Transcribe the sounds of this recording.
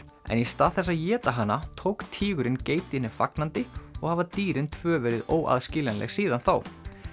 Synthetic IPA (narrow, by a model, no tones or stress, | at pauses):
ɛ̰nist̪aːðθɛsːaðjɛːt̪aɦanːat̪ʰowkt̪ʰiːɣʏɾɪnceːjt̪ɪhɪnːɪfa̰knant̪ɪɔɣhavat̪iːɾɪnt̪ʰvœːvɛɾɪðoːwʔa̰ðscɪːlanlʔɛ̰ɣsiːðanθaw